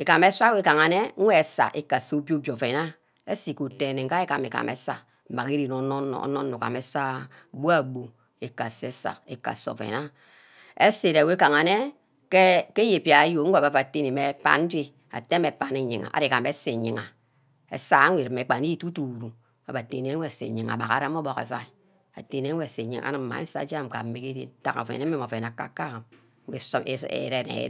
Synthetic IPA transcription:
e˨ka˨me˦sʷa˦we˦ka˨ŋa˨ne˦ŋ̩˦we˦e˨sa̰˨ʔe˦ka˨so˦bjo˦bjo˨fe˨na˦ | e˦si˨ku˨te˨ne˨ŋ̩˦ka˦e˦ka˨me˨ka̰˨mʔḛ˨sa̰˨ | ma˨ki˦ɾi˨no˨˦n̰˦˨˦no˦n˦o˨ka̰˨me˨sa˦˨bu˦a˨ɡ͡bo˨ | e˨ka˨se˨˦sa̰˨ḛ˨ka̰˨so̰˨fḛ˨na˦ | e˦se˨ɾe˨we˦ka˨ŋa˨ne˦ | ke˦ke˦je˨pi˦˨a˨˦jo˨˦ŋ̩˦a˨ba˨fa˨te˦ni˨me˨˦pa̰˦n̩˦di˦ | a̰˨te˦me˨pa˨ne˦˨ɲi˨ŋa̰˨ʔa̰˨de˨ka˨me˨˦se˨ɲi˨ŋa˨ | ḛ˨sa˦a˦e˨ɾme˨˦k͡pa˨˦i˦tu˦tu˨ɾu˨ | a˨ba˨te˨n˨e˨˦ŋʷe˦a˨sḛ˨ɲi˨ŋa̰˨ba̰˨ka̰˨ɾa˦mo˦bo˨kḛ˨va˨i˨ | a̰˨te˨ne˨˦wʷe˦a˨se˨ɲi˨ʔa̰˨nɨ˦m̩˨ma̰˨˦n̩˦sa̰˦d͡ʒa˦˨m˨ka̰˨m̩˦mi˦ke˦ɾḭ˦n˦ta̰˨a̰˨fḛ˨ne˦me˦mo˨fe˨n˨a˨kːa̰˦ka˦˨m˦ | wʷe˨sḛ˨ɾe˦˨nḛ˨˦

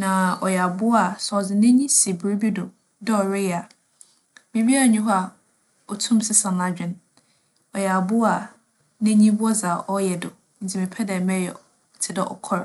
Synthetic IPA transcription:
nã˨ɔ˨jɛ˨a˨bʊ˦a˨sɔ˨zɪ˨nɛ̃˦ɲĩ˦si˨bɾo˦bi˦dʊ˨ | dɛ˦ɔ˨ɾɪ˦ja˨ | mĩ˨bi˦a˦˨ɲᶣĩ˦ɦɔ˦a˨ | ɔ˨tʰũ˦msɪ˦sã˨nla˦d͡ʑᶣɪ̃˦n | ɔ˨jɛ˨a˨bʊ˦a˨ | nẽ˦ɲĩ˦bʊ˦ɔ˦za˨ʔɔ˦jɛ˨dʊ˨ | n̩˨t͡sʰi˦˨mɪ̃˨pʰɛ˦dɛ˨mɛ˦jɛ̰˨ | tʰɪ˨dɛ˦ʔɔ̰˨kʰɔ˦ɾ

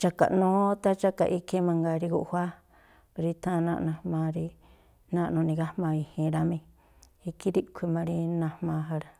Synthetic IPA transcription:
t͡ʃa˧ka̰˨ʔnũː˦t̪a˦t͡ʃa˦ka̰˨ʔi˦ki˦mã˧ŋɡa˧ɾi˧ku˧ʔhʷa˦ | pa˧ɾi˧t̪ʰã˦˧nã̰˧nã˧hmã˧ɾi˧ | nã˦ʔnũ˧nĩ˧ɡa˦hmã˧i˧hĩ˧ɾa˧mĩ˧ | i˧ki˦ɾi˦kʷʰi˧mã˧ɾi˧nã˧hmã˧ɦa˧ɾa˧

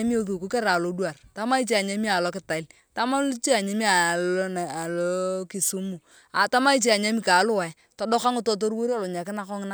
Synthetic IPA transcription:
a˦mi˦o˦ðu˨ku˦kɛ˦ɾa˨lo˨˦dwa˨rta˦ma˦i˦t͡ʃe˦a˨ɲa˦mi˦a˨lɔ˦kɪ˦ta˨ɪ˦l | ta˦ma˦lt͡ʃi˦a˨ɲe˦mi˦a˨ln˨a˨lɔ˦ki˨su˦mu˨ | a˨ta˦ma˦i˦t͡ʃi˦a˨ɲa˦mi˦ka˨lʊ˦wa˨ | tɔ˦dɔ˦ka˦ŋɪ˦to˦˨t̬o˦ɾwo˦ɾi˦a˦lo˨ɲa˨kɪ˦na˦kɔ˦ŋ˦na˦

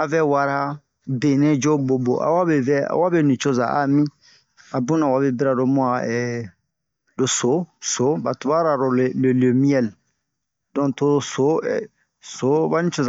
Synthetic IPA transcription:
a˨vɛ˦wa˨ɾa˦ | de˨nẽ˦d͡ʒo˦bo˨bo̰˨ʔa̰˨wa˦bɛ˨vɛ˦a̰˦wa˦bɛ˦nĩ˨t͡ʃo˦za˨a̰˨mĩ˦ | a˨bũ˦nã˨wa˨bɛ˦bi˦ɾa˨do˨mũ˦ã˨ɛ˨ | lo˨so˨˦so˨˦ba˨tu˨ba˦ɾa˨ɾo˨le˨le˨le˨mĩ˦ɛ˦˨l | dɔ̃˨to˦so˨˦ɛ˨ | so˨˦ba˦nĩ˦t͡ʃo˦za˨

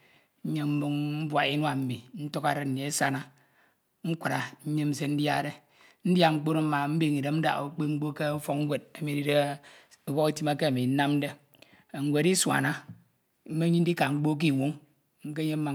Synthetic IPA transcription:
ɲ̩˦ɲe˦m̩˦mu˦ŋm̩˦bwa˨i˦n˦a˨m̩˦mi˨n̩˦to˦ka˨ɾe˦˨n̩˨ne˨e˦sa˦na˦ | ŋ̩˦kʷu˨ɾa˨ɲ̩˦ɲe˦m̩˦se˦n̩˦dja˦˨ɾe˦ | n̩˦dja˦˨ŋ͡m̩˦k͡po˦ɾo˦m̩˦ma˨m̩˦bi˦ŋi˨ɾe˨m̩˦da̰˨o˨k͡pe˦ŋ͡m̩˦ɡ͡bo˦ke˦u˦fo˦kŋ˦wʷe˨d̚a˨mi˨di˦de˦ | o˨bɔ˦ke˦ti˦ma˦ke˦a˨mi˨n̩˦na˦mn̩˦de˦˨ | ŋ̩˦wʷe˨ɾi˦swa̰˨na˦ | m̩˦me˦ɲi˦n˦di˦ka˨ŋ͡m̩˦k͡po˦k̬i˦˨ŋʷu˦ŋ | ŋ̩˦ke˦ɲe˦m̩˦a˨

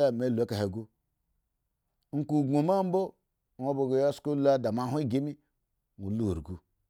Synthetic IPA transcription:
a˦˨me˨˦lu˨e˦ka˨he˨ɡu˦ | ŋ̩˨ku˨ɡo˨ma˦m̩˦bo˦˨ | o˦bo˨ɡo˨ja˦sko˦la˦da˨ma˦˨ɦu˦i˦ɡe˦mi˦ | ŋu˨lṵ˦˨ɾɡu˦

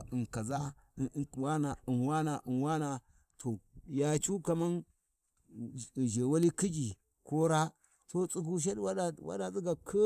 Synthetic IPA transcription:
i˨nka˨za˦˨ | wa˦na˨i˨nwa˦na˨ʔə˨nwa˦na˨ | tʰo˨ja˨t͡ʃu˦ka˨ma˦n˨ | ʒe˨wa˦li˦ki˦d͡ʒi˨ | ko˦ɾa˦ | so˦t͡sʼu˦k̬u˦ʃ̬e˦dwa˦˨wa̰˦da˨t͡si˦ɡa˨kʰə˦

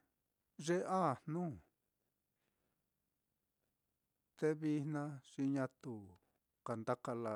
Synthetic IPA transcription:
ʐe˦ʔa˦˨nnũː˦ | t̪e˧βi˧nnã˧ʂi˧ɲã˧t̪u˧ | ka˨nd̪a˦ka˧la˧

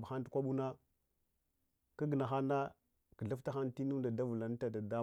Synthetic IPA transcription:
ba˨xa˦n˦dkʷa˦ɓu˦na˦ | kə˦ɡə˨na˨xa˦na˦ | kə˨ɮa˦fta˦xa˦nti˦nu˦da˨da˦vu˨la˨n˦ta˨da˨da˦

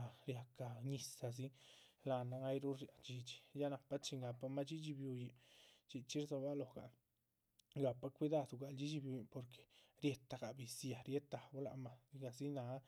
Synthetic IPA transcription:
ɾja˧ka˨ɲi˧sa˨z̬i˦ | la˧na˧a˦jɾu˦ɾja˨t͡ʃi˧t͡ʃi̥˨ja˦na˨pa˦t͡ʃi˧ŋɡa˨pa˧ma˦t͡ʃi˦d͡ʒi˧bju˧ji˨t͡ʃi˧˨t͡ʃi˦ɾzo˧ba˦lo˨ɡa̰˨ | ŋɡa˨pa˧kʷi˧d̪a˧d̪u˨ɡa˨ld͡ʒi˦d͡ʒi˧bju˧ji˧po˨ɾkʰe̥˨ɾje˧t̪ːa˨ɡa˨bi˨sja˨ɾje˦t̪ːa˨bu˦la˧ma˨i˧ɡa˧zi˦na˨˧˦

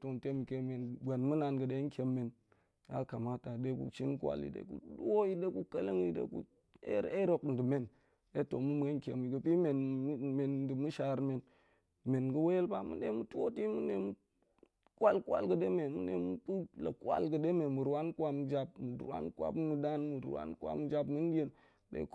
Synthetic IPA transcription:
to˨nte˦mu˨ke˦me˨n˨ɡa˨nmu˦na˨nɡə˨de˦ŋ˦kʲe˨mːe˨n | ja˦ka˨ma˦ta˨de˦kṵ˨t͡ʃi˦nkʷa̰˨lḭ˨dḛ˦kṵ˦du˦o˦ji˦de˦ku˦ka˦lə˦ŋ˦i˦dḛ˦kṵ˦ | e˦e˦ɾo˨kn̩˨di˨me˦˨n | e˦to˨mu˦mu˨e˦ŋ˦kʲe˨mi˨ɡə˨pi˦me˨n˦me˨n˦di˨mu˦ʃa˨ɾme˨n | me˨nɡə˦we˦je˦lba˦mṵ˦de˦mu˦tu˦o˦ti˦mu˦ne˨mu˦ | kwa˦lkwa̰˦lɡə˨de˦me˨mṵ˦nḛ˨mu˦pu˦la̰˨kʷa̰˦lɡə˨de˦me˨mu˨ɾwa˦nkwa˦m˦d͡ʒa˦b̚mu˨ɾa̰˦nkwa̰˦bmu˨da˦nmu˨ɾwa̰˦nkʷwa̰˦m˦d͡ʒa˦bmu˦n˦di˦e˦n | dḛ˦k

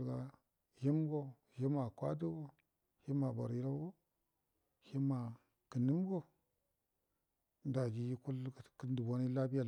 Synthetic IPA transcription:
ɡa˦ | ji˦mɡo˦ | ji˦ma˨kʷa˦du˦ɡo˦ | hi˦ma˨ba̰˨ɾi˦ɾa˦ɡo˦ | hi˦ma˨ | kə˨ni˦mɡo˦ | nda˨d͡ʒi˨ji˦ku˦lkə˦ndu˨bo˦ni˦la˦bi˦ja˨

